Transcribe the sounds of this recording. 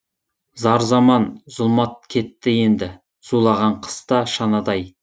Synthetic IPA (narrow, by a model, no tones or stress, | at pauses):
zɑɾzɑmɑnzʊlˠmɑt̪̚kʲʰe̞t̪ːɪje̞nd̪ɪ | z̥ulˠɑʁɑɴqʰə̥st̪ɑʃɑnɑd̪ɑj